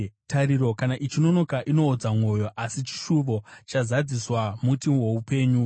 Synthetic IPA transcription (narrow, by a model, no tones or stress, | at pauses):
taɾiɾo̞kanaʔit͡ʃino̞no̞kaʔino̞ːd͡zamwo̞jo̞ʔasit͡ʃi̥ʃuʋo̞t͡ʃazad͡ziswamutiwe̞upe̞ːɲu